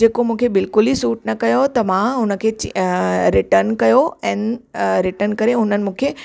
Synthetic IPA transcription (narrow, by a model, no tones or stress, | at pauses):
d͡ʑeːkomũːkʰebɪlkʊlisuːʈnɐkɐjot̪ɐmãɦʊnə̆kʰeːt͡ɕɾɪʈəɾnkɐjoɛ̃ːnɾɪʈəɾnkɐɾeɦʊn̤ənɪ̆mũːkʰeː